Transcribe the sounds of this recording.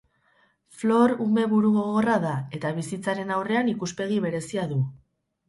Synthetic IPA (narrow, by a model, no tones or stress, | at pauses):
flo̞ɾume̞βuɾuɣoɣoraðae̞t̪aβ̞isit͡saɾe̞nawre̞anikuspe̞ɣ̞iβe̞ɾe̞siaðu